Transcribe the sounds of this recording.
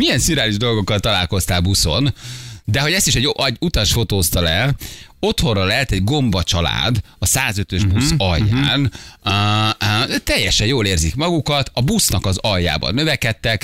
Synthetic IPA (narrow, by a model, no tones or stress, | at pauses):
mijɛnsyɾaːliʒd̪o̞lɡo̞kːɒlt̪ɒlaːlko̞st̪aːlbuso̞nd̪ɛɦo̞ɟɛst̪iʃɛɟʔɛɟut̪ɒʃfo̞t̪oːst̪ɒlɛo̞t̪ho̞rɒlɛɦɛt̪ɛɟɡo̞mbɒt͡ʃɒla̰ːd̪ | ɒsaːzø̞t̪ø̞ʒbusɒjːa̰ːn | t̪ɛjːɛʃɛjjoːleːrzikmɒɡukɒt̪ʰɒbusnɒkɒzɒjːa̰ːbɒ̰nːøvɛkɛt̪ːɛk